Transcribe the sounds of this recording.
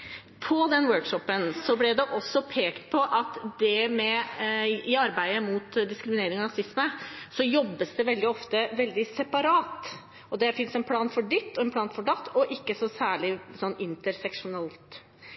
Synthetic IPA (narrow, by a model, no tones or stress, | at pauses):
pʰɔd̪ɛnwøːɾkʂɔpːənsɔblɛd̪ɛʔɔsːɔpʰeːkt̪pʰɔʔɑt̪d̪ɛmɛ | ɪɑɾbæɪəmuːt̪d̪ɪskɾɪmɪneːɾɪŋɔɾɑsɪsməsɔjɔbːəsd̪ɛʋɛld̪ɪɔft̪əʋɛld̪ɪsɛpɑɾɑːt̪ | ɔd̪ɛfɪnsɛnpʰlɑːnfɔɖʏt̪ːɔɛnpʰlɑːnfɔɖɑt̪ːɔʔɪkːəsɔsæːɭɪsɔnːɪnt̪əɾsɛkʂʊnɑlt̪